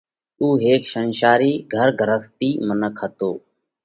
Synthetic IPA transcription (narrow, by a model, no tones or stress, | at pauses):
uːɦeːkʃənʃaːɾiːɡʱəɾɡʱəɾəst̪iːmənəkʰət̪oː